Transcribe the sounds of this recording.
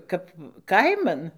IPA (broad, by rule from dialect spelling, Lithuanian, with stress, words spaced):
ˈkɐp ˈkɐɪmɐn